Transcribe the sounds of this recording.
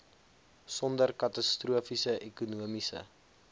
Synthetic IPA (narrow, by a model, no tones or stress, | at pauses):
sɔndərkɐtɐstruəfisəʔɛkunuəmisə̰